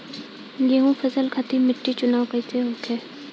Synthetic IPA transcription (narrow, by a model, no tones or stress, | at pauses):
jeːɦũfʰɐzəlkʰat̪ʰimɪʈːit͡ʃʊnaːwkəit̪eɦoːkʰeː